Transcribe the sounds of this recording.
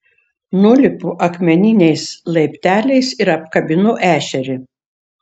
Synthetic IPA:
nʊlʲɪpʊʔɐkmʲɛnʲɪnʲɛɪslˠɐɪpʲt̪ʲæːlʲɛɪsɪɾɐpkɐbʲɪnʊʔæːʃʲɛɾʲɪ

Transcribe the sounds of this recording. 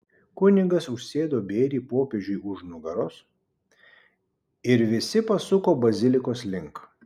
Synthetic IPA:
kʊnʲɪɡɐsʊʃʲsʲeːd̪oːbʲeːɾʲiːpoːpʲeʒʲʊjʊʃnʊɡɐɾʊs | ɪɾʋʲɪsʲɪpɐsʊkoːbɐzʲɪlʲɪkoːslʲɪŋk

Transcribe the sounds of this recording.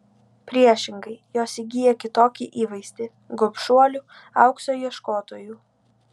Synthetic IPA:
pʲɾʲiɛʃʲɪŋɡɐɪjoːsiɡʲijɛkʲɪt̪oːkʲiʔiːʋɐɪsʲt̪ʲɪ | ɡopʲʃuɔlʲuː | ɐ̰ʊksoːjiɛʃkoːt̪oːjuː

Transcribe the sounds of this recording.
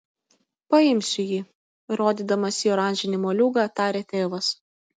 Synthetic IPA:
pɐɪmʲsʲʊjiː | ɾoːd̪ʲiːd̪ɐmɐsʲɪjoːɾɑːˑnʲʒʲɪnʲɪmoːlʲuːɡɑt̪ɑːɾʲeːt̪ʲeːʋɐs

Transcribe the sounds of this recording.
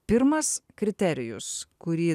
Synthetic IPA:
pʲɪɾmɐskɾʲɪt̪ʲɛɾʲɪjʊskʊɾʲiː

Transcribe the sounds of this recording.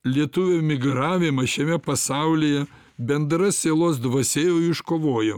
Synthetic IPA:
lʲiɛt̪ʊʋʲoːmʲɪɡɾɑːʋʲɪmɐʃʲɛmʲɛpɐsɑˑʊlʲijɛ | bʲɛnd̪ɾɐsʲeːlˠoːsd̪ʋɐsʲeːjoɪʃkoːʋoːjo

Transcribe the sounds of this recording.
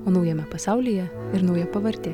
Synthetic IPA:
oːnɒʊjɛmʲɛpɐsɑˑʊlʲijɛ | ɪɾnɒʊjɛpɐʋɐɾʲt̪ʲeː

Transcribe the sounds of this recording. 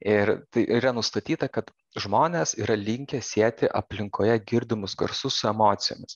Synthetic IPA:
ɪɾt̪ɐɪʔiːɾɐnʊst̪ɐt̪ʲiːt̪ɐkɐt̪ | ʒmoːnʲeːsiːɾɐlʲɪŋʲkʲɛsʲiɛt̪ʲɪʔɐ̰pʲlʲɪŋkoːjɛɡʲɪɾʲd̪ʲɪmʊsɡɐ̰ɾsʊssʊɛmoːt̪sʲɪjo̰ːmʲɪs

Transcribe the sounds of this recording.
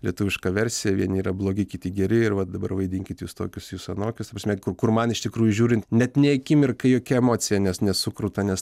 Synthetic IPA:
lʲiɛt̪ʊʋʲɪʃkɐʋʲɛrʲsʲɪjɛʋʲiɛnʲiːɾɐblˠoːɡʲɪkʲɪt̪ʲɪɡʲɛɾʲɪɪrʋɐt̪̚d̪ɐbɐrʋɐɪd̪ʲɪŋʲkʲɪt̪juːst̪oːkʲʊsjuːsɐnoːkʲʊst̪ɐprɐsʲmʲɛkʊrkʊrmɐnɪʃt̪ʲɪkɾuːjʊʒʲuːɾʲɪnt̪nʲɛt̪nʲɛɐkʲɪmɪrkɐɪjoːkʲɛɛmoːt͡sʲɪjɛnʲɛsnʲɛsʊkɾʊːt̪ɐnʲɛs

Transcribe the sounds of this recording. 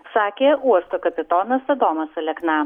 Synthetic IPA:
ssɑːkʲeːuɔst̪okɐpʲɪt̪oːnɐsɐd̪oːmɐsɐlʲɛknɐ

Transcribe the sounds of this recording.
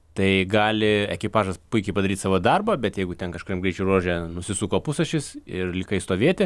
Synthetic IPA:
t̪ɐɪɡɑːlʲɪɛkʲɪpɑːʒɐspʊɪkʲɛɪpɐd̪ɐɾʲiːt̪sɑːʋoːd̪ɐrboːbʲɛt̪jɛɪɡʊt̪ʲɛnkɐʃkoɾʲimɡɾʲɛɪt͡ʃʲɛʊroːʒʲɛnʊsʲɪsuːkoːpʊsɐʃʲɪsɪrlʲɪkɐɪst̪oːʋʲeːt̪ʲɪ

